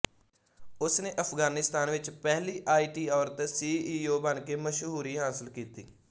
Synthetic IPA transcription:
ʊsneːʔəpʰɡaːnɪst̪aːnʋɪt͡ʃpɛːliːʔaːiːʈiːɔːɾt̪siːoːbənkeːməʃɦuːɾiːɦaːsɪlkiːt̪ḭː

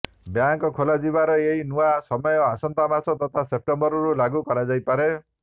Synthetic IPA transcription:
bjaŋkɔkʰolad͡ʒibaɾɔeɦinuasɔmɔjɔasɔnt̪amasɔt̪ɔt̪ʰasep̚ʈɔmbɔɾɔɾulaɡukɔɾad͡ʒajpaɾe

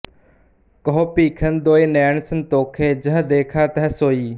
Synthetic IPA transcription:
kɔɦopiːkʰənd̪oːeːnɛːɳsənt̪oːkʰeːd͡ʒəɦd̪eːkʰaːt̪əɦɛsoːiː

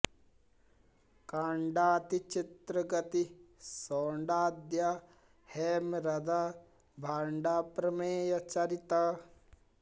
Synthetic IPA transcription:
kaːɳɖaːt̪it͡ʃit̪ɾɐɡɐt̪isoːɳɖaːd̪ja | heːmɾɐd̪aː | bʱaːɳɖaːpɾɐmeːjɐt͡ʃɐɾit̪a

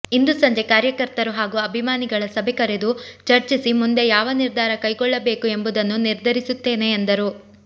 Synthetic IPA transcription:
ind̪usɐɲd͡ʒe̞kaːɾjɐkɐɾt̪ɐɾuɦaːɡuɐbʱimaːniɡɐɭɐsɐbʱekɐɾe̞d̪ut͡ʃɐɾt͡ʃisimund̪e̞jaːʋɐniɾd̪ʱaːɾɐkɐjɡɔɭːɐbe̞ːkue̞mbud̪ɐnːuniɾd̪ʱɐɾisut̪ːe̞ːne̞ːnd̪ɐɾu

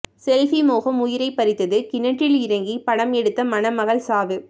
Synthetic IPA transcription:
sɛlfimoːɣɐmʊjɪɾɐɪpːɐɾɪt̪ːɐðɯkɪnɐʈːɪlɪɾɐŋɡipɐɽɐmɛɽɯt̪ːɐmɐnɐmɐɣɐɭsaːʋɯ

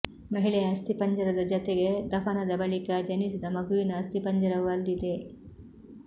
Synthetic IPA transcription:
mɐɦiɭɛjɐːst̪ipɐɲd͡ʒɐɾɐd̪ɐd͡ʒɔt̪eɡe̞d̪ɐpʰɐnɐd̪ɐbɐɭikɐd͡ʒɐnis̬id̪ɐmɐɡuʋinɐːst̪ipɐɲd͡ʒɐɾɐʋɐld̪id̪e̞

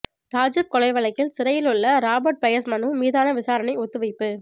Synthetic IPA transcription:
ʈaːd͡ʒɪp̚kɔlɐɪʋɐlɐɪkːɪlsɪɾɐjɪlɯɭːɐɾaːbɐɾʈ̚pɐjɐsmɐnɯmiːðaːnɐʋɪsaːɾɐnɐɪɔt̪ːɯʋɐɪpːɯ

